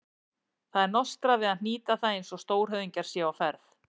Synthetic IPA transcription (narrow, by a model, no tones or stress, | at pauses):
θaðɛɾnɔst̪ɾavɪðaðn̥iːt̪aθaðẽnsɔst̪oːwɾ̥ɦœðiɲcaɾ̥sjɛawfɛɾθ